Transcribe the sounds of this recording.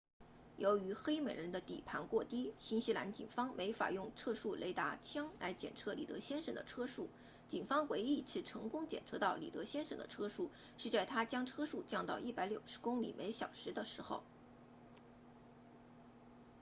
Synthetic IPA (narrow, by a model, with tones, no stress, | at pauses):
jo˧˥ʊy˧˥xe˥ɪme˨˩ɪɻə˧˥nd̪ə˧t̪ḭ˨˩pʰa˧˥nkwɔ˥˩t̪i˥ɕi˥nɕi˥la̰˧˥nt͡ɕḭ˨˩nfɑ˥ŋmʔe˧˥ɪfa̰˨˩jʊ˥˩ŋʈ͡ʂʰɤ˥ʂu˥˩lʔḛ˧˥ɪt̪a̰˧˥t͡ɕʰjɑ˥ŋla˧˥ɪt͡ɕjɛ̰˨˩nʈ͡ʂʰɤ˥li˨˩t̪ɤ̰˧˥ɕjɛ˥nʂə̰˨˩nd̪ə˦ʈ͡ʂʰɤ˥ʂu˥˩ | t͡ɕi˨˩nfɑ˥ŋwe˧˥ɪi˥˧ʈ͡ʂʰɻ̩˥˩ʈ͡ʂʰɤ˧˥ŋkʊ˥ŋt͡ɕjɛ̰˨˩nʈ͡ʂʰɤ˧˥t̪ɑ˥˩ʊlḭ˨˩t̪ɤ̰˧˥ɕjɛ˥nʂə˨˩ŋd̪ə̰˦ʈ͡ʂʰɤ˥ʂu˥˩ | ʂɻ̩˥˧t͡sa˥˩ɪt̪ʰa˥t͡ɕjɑ˥ŋʈ͡ʂʰɤ˥ʂu˥˩t͡ɕjɑ˥˧ŋt̪ɑ˥˧ʊʔi˥˩pa˧˥ɪljo˨˩ʊʂɻ̩˧˥kʊ˥ŋlḭ˨˩me˧˥ɪɕjɑ˨˩ʊʂɻ̩˧˥d̪ə˧ʂɻ̩˧˥xo˥˧ʊ